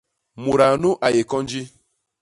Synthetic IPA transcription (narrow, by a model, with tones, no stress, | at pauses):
mu˨ɾa˨nu˦ʔa˨je˨kɔ˦n̩˦d͡ʒi˦